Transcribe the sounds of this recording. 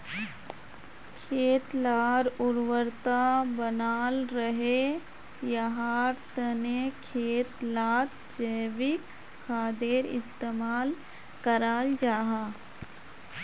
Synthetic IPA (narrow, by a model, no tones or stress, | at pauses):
kʰeːt̪laːɾʊɾwəɾt̪abənaːlɾəɦe | jɐɦaːɾt̪ənekʰeːt̪laːt̪ | d͡ʒəːʋɪkːʰ | aːd̪eːɾɪ̰st̪eːmaːl | kəɾaːld͡ʒaːɦaː